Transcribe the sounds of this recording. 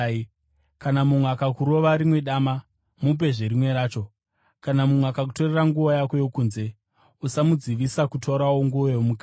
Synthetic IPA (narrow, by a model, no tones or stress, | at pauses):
kanamumweakakuɾo̞ʋaɾimwe̞ɗaːma | mup̬e̞ʐeɾimwe̞ɾaːt͡ʃo̞ | kanamumweakakuto̞reraŋɡuʋojako̞jokuːnze̞ | usamud͡ziʋisakutʰo̞ɾawoŋɡuojomuka